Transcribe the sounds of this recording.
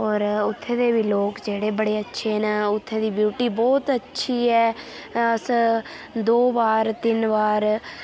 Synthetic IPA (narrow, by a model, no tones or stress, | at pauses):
ɔːɾʊt̪ʰːẽːd̪eːbiːloːkd͡ʒeːɽeːbəɽeːətːʃʰeːnaːʊt̪ʰːẽːd̪iːbjuːʈiːbɔːt̪ətːʃʰiːɛː | əs | d̪oːʋaːɾt̪ɪnʋaːɾ